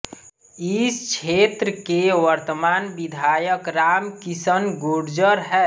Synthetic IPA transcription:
ist͡ʃʰet̪ɾəkeʋəɾt̪əmaːnbid̪ʱajəkɾamkisənɡoɽd͡ʒəɾɦɛ

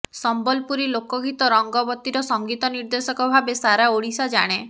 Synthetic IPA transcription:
sɔmbɔlpuɾilokɔɡʱit̪ɔɾɔŋɡɔbɔt̪ːiɾɔsɔŋɡit̪ɔniɾd̪esɔkɔbʱabesaɾaoɽisad͡ʒa̰ɽ̃e

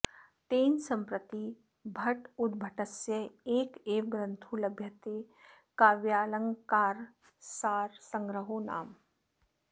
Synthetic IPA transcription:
t̪eːnsɐmpɾət̪i | bʱɐʈud̪bʱɐʈɐsjɐeːkeːʋɡɾənt̪ʰuːlɐbʱjɐt̪e | kaːʋjaːlɐŋkaːɾ | saːɾsɐŋɡɾəɦoːna̰ːm

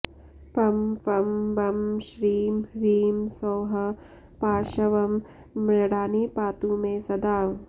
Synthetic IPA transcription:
pɐmfɐmbɐmʃɾiːmɾiːmsoːɦɐ | paːʃɐʋɐm | mɾɐɽaːnipaːt̪umẽsɐd̪aː

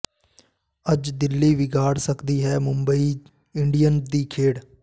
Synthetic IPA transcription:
əd͡ʒd̪ɪlːiːʋɪɡaːɽsəkd̪iːɦɛːmʊ̃mbəiː | ɪɳɖijənd̪iːkʰeːɽ

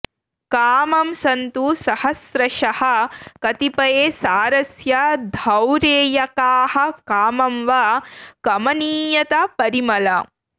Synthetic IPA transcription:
kaːmɐmsɐnt̪usɐhɐsɾɐʃɐhɐkɐt̪ipɐjeːsaːɾɐsjɐd̪ʱɐwɾeːjɐkaːhɐ̆kaːmɐmʋɐkɐmɐniːjɐt̪ɐpɐɾimɐlɐ

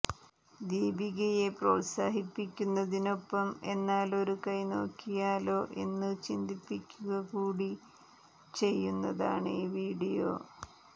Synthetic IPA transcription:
d̪iːbiɣɐje̞proːt̪saːɦipːikʲːunːɐðino̞pːɐme̞nːaːlo̞ɾukɐjno̞ːkʰːijaːlo̞ːʔe̞nːɨt͡ɕind̪ipːikʲːuɣɐkuːɽi | t͡ɕe̞jːunːɐðaːɳɨiːʋiːɽijo̞̰ː

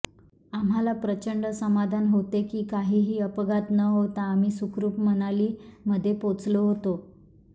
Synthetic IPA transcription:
amɦalapɾət͡ɕəɳɖəsəmad̪ʱanɦot̪ekiːkaɦiːɦiːəpəɡat̪nəɦot̪aːm̤iːsukɾuːpmənaliːməd̪ʱːjepot͡sloɦot̪o

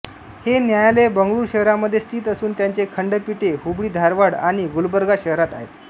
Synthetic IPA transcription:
henjajalebəŋɡɭuːɾɕəɦɾaməd̪ʱːjest̪ʰiːt̪əsuːnt̪jaɲt͡sekʰəɳɖəpiʈeɦubɭiːd̪ʱaɾʋaɽaɽ̃iɡulbəɾɡaɕəɦɾat̪aɦet̪

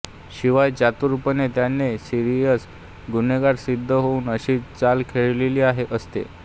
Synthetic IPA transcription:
ɕiʋajd͡ʑat̪uɾupənet̪janːesiɾijəs | ɡuneɡaɽsid̪ʱːəɦouːnəɕiːt͡salkʰeɭleliːaɦeʔəst̪ḛ

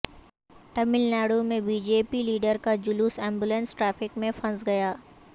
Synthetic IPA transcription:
ʈɐmɪlnaːɽumẽbiːd͡ʒeːpiliːɖəɾkad͡ʒʊluːsɛ̃ːmbulə̃nsʈɾɛːfɪkmẽfɐ̃nsɡɐjaː

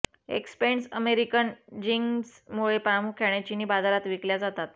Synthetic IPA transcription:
ḛkspeɳsəmeɾikənd͡ʑiŋsmuɭepɾamukʰːeɳat͡ɕiniːbad̪aɾat̪ʋikljad͡zat̪at̪̚

